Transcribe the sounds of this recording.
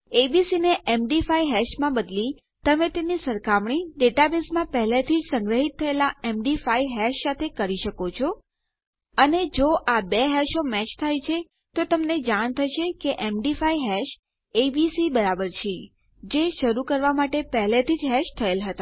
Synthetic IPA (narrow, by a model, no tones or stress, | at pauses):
ebisineʔemɖifaiɦɛʃmãbəd̪li | t̪əmet̪enisəɾkamɳ̃iɖeʈabesmãpəɦlet̪ʰid͡ʒsə̃ŋɡɾəɦit̪ʰːəelaemɖifaiɦɛʃsat̪ʰekəɾiʃəkot͡ʃʰo | əned͡ʒoʔabeɦɛʃomɛt͡ʃt̪ʰajt͡ʃʰe | t̪ot̪əmned͡ʒaɳt̪ʰəʃekeʔemɖifaiɦɛʃ | ebisibəɾabəɾt͡ʃʰe | d͡ʒeʃəɾukəɾʋamaʈepəɦlet̪ʰid͡ʒɦɛʃt̪ʰəelɦət̪a